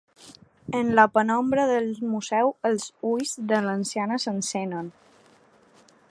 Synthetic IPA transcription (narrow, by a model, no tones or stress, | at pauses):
ənləpənɔmbɾəðəlˠmuzɛwəlˠzujzðələnsianəsənsɛnən